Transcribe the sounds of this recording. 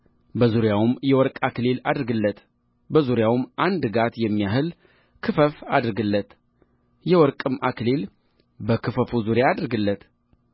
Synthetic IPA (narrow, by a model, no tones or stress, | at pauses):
bəzuɾjawmjɛwɔɾkʼaklelad̪ɾɡɨlːət̪ | bəzuɾjawmʔand̪ɨɡat̪jɛmːijaɦɨl | kʰɨfəfad̪ɾɨɡɨlːət̪ | jɛwɔɾkʼɨmʔaklel | bəkʰɨfəfuzuɾjaːd̪ɾɡɨlːət̪